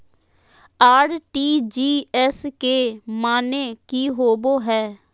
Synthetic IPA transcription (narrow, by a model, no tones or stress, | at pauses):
aːɾʈiːd͡ʒiːɛskeːmaːneːkiːɦoːboːɦɛː